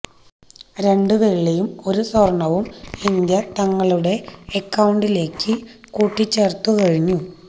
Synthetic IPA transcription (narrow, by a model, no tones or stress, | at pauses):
ɾe̞ɳɖɨʋe̞ɭːejumo̞ɾusorɳːɐʋumind̪jɐt̪ɐŋːɐɭuɽe̞ːkːɐwuɳɖile̞ːkːɨ | kuːʈːit͡ɕːe̞rt̪ːukɐɻiɲːu